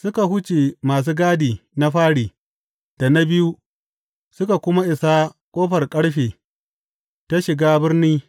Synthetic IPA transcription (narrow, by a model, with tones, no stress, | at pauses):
sʊ˦ka˨ɦʊ˦t͡ʃeː˨maː˨s̬uː˦ɡaː˦diː˨na˦ɸaː˦ɽiː˨ | d̥a˨na˦bɪ˦ju˦ | sʊ˦ka˨kʷʊ˦ma˦ʔɪ˨sa˦kʷʼoː˦ɸɐ˨rkʼɐ˦ɽɸeː˨ | ta˦ʃɪ˨ɡaː˦bɪ˦rniː˦